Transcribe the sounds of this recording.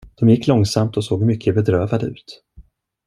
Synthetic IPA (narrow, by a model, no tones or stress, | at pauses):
d̪̥ɔmjɪkːlɔŋsamt̪ɔsoːɡmʏkʰːəbɛd̪ɾøːvad̪əʉ̟̰ːt̪